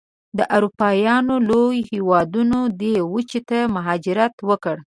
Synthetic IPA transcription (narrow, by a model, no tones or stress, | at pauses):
d̪əʔaɾupɑjɑnolojhewɑd̪unod̪ewət͡ʃit̪amaɦɑd͡ʒɪɾat̪wəkəɽ